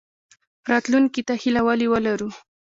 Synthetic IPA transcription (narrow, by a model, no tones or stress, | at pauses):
ɾɑt̪luŋkit̪ahilawaliwəlaɾu